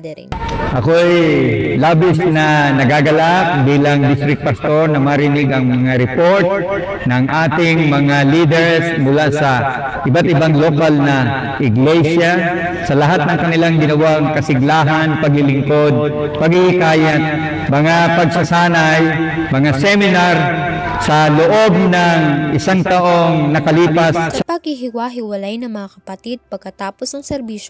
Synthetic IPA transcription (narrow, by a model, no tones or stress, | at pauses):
ʔɐkoʔɛjlaːbɪsnɐnɐɡaɡɐlakbiːlɐŋd̪ɪst̪ɾɪk̚pɐst̪o̞ɹnɐmɐɾɪnɪɡɐŋmɐŋaɾɪpo̞ɹt̪̚ | nɐŋʔaːt̪ɪŋmɐŋaliːd̪ɛɹsmʊlasɐ | ʔɪbat̪̚ʔɪbaŋlokalnɐ | ʔɪɡlɛsa | sɐlɐɦat̪̚nɐŋkɐnɪlaŋɡɪnɐwaŋkɐsɪɡlaːɦanpɐɡhɪlɪŋko̞d̪̚ | pɐɡɪhɪkaːjat̪̚ | mɐŋapɐɡ̚sɐsaːnaj | mɐŋasɛmɪnaɾ | sɐloʔo̞b̚nɐŋʔɪsaŋt̪ɐʔo̞ŋnɐkɐliːpaspɐɡhɪɦɪwaɦɪwɐlajnɐŋmɐŋakɐpɐt̪id̪̚pɐɡ̚kɐt̪aːposnɐŋsɛɾbiːʃo